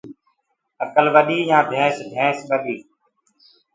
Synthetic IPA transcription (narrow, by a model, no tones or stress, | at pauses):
əkəlʋəɗiːjãːd̪ʱẽːsd̪ʱɛ̃ːsɓəɗiː